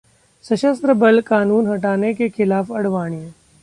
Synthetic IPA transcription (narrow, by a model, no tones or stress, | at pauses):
sɐʃəst̪ɾəbɐlkaːnuːnɦɐʈaːnekexɪlaːfɐɽʋaːɽ̃iẽ